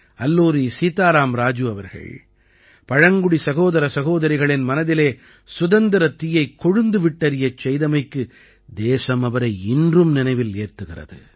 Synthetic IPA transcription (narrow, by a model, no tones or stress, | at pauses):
ɐlːuːɾisiːt̪aːɾaːmɾaːd͡ʒɯɐʋɐɾɣɐ̰ɭ | pɐɻɐŋɡʊɽisɐɣoːðɐɾɐsɐɣoːðɐɾɪɣɐɭɪnmɐnɐðɪleː | sʊðɐnd̪ɪɾɐt̪ɪjɐɪkːɔɻɯnd̪ɯʋɪʈːɐɾɪjɐt͡ʃɛjðɐmɐɪkːɯ | d̪eːsɐmɐʋɐɾɐɪɪndrɯmnɪnɐɪʋɪleːɾt̪ɯɣɪrɐ̰ðɯ̰